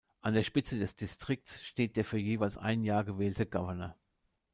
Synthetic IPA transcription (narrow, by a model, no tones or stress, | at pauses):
ʔandeːɐʃpɪt͡sədɛsd̥ɪstʁ̥ɪk̚tsʃteːt̚d̥eːɐfyːɐjeːvaɪlsʔa̰ɪnjaːɐɡəvɛːltəɡavɐnɐ